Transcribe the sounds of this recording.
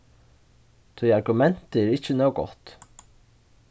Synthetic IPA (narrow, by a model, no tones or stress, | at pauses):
t̪ʰyɑɾɡʉmɛnt̪əɾɪçənoːɡɔ̰t̪